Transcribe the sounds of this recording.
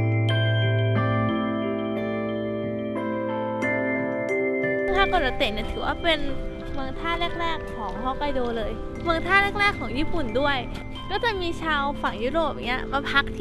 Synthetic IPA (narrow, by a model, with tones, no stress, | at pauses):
t̪ʰaː˥˩kɔː˧˨˩a˧˩t̪e˨˩ni˥˩˨t̪ʰɯː˩˦waː˥˩pe˧n | mɯ˧əŋt̪ʰaː˥˩ɾɛː˥˩k̚ɾɛː˥˩kʰːɔː˩˦ŋɦɔː˧˥˩ka˧˩jdoː˧lɤː˧j | mɯ˧ŋt̪ʰaː˥˩lɛ˦˥˩k̚ɾɛː˥˩kʰːɔː˩˦ŋjiː˥˩pu˨˩ndu˥˩əj | kɔː˥˩t͡ɕa˨˩miː˧t͡ɕʰaː˧wfa˨˩ŋju˦˥ɾoː˨˩p̚ŋni˦˥ɐ˧ma˧˩pʰa˦˥k̚t̪ʰː